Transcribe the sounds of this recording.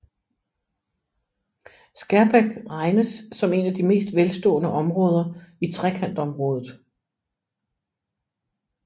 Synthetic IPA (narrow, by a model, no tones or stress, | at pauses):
sɡ̥æɐb̥eɡ̥ʁɑ̈ɪnəsːɒ̽me̝næd̥ime̝̰ːsd̥ʋelsd̥ɔ̰̽ːnəʔɒ̽mʁɔ̽ːð̞ˠɐit͡sʰʁɛkʰæn̰d̥ɒ̽mʁɔ̽ːð̞ˠð̩ˠ